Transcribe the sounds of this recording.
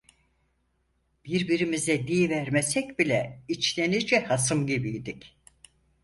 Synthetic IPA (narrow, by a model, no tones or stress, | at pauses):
b̥iɾbiɾimizɛd̪ijvæɾmɛsɛc̚bilʲɛit͡ʃlʲenid͡ʒɛhas̬ɯmɟibijd̪ic